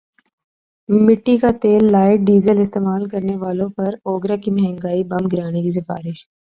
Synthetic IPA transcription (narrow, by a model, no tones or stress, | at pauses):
mɪʈːikat̪eːlːaːɪʈ̚ɖiːzəlɪst̪eːmaːlkɐɾneʋaːlõpɐɾoːɡɾakimɐɦɛ̃ŋɡaːibɐmɡɪɾaːnekis̬ɪfa̰ːɾɪʃ